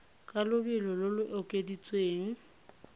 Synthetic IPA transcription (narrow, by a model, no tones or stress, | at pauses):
kʼalʊbɪlɔlʊlʊʔɔkʼedit͡sʼweːŋ̩